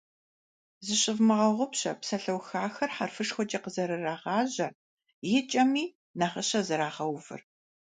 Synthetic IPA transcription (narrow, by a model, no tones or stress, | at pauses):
zɨɕɪvmɨʁɐʁʷʊpɕɐ̰psɐɬɐwxaːxɐrħarfɨʂxʷɔd͡ʒɐqəzɐɾɨraːʁɑːʑɐr | jɪt͡ʃʼɐmiː | naχəɕɐzɨɾaːʁɐwvɨ̰r